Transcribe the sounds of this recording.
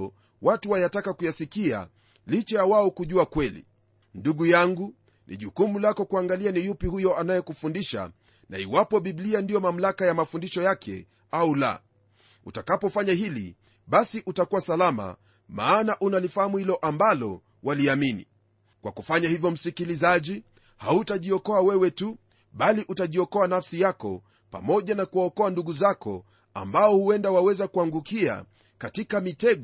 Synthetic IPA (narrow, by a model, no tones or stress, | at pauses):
watuwajatakakujasikia̰ | lit͡ʃajawaɔkuʄuakwɛlḭ | nduɠujaŋɡu | nʔḭʄukumulakɔkuaŋɡalianijupihujɔanajɛkufundiʃa̰ | na̰iwapɔɓiɓliandijɔmam̩lakajamafundiʃɔjakʰɛ̰ | aula̰ | utakapɔfaɲahilḭ | ɓasiʔutakuwasalama̰ | maːnaʔunalifahamuhilɔʔambalɔ̰ | waliaminḭ | kwakufaɲahivjɔm̩sikilizaʄi | hautaʄiɔkɔawɛwɛtu | ɓaliʔutaʄiɔkɔanafsijakɔ̰ | pa̰mɔʄanakuwaɔkɔanduɠuzakɔ̰ | a̰mbaɔhuɛndawawɛzakuaŋɡukia̰ | katikamitɛɡ